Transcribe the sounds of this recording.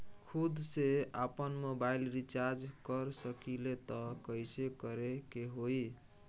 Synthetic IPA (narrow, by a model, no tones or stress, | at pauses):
kʰud̪ʱseapənmobailɾit͡ʃaɾd͡ʒkəɾsəkilet̪ɔkəjsekəɾekeɦoj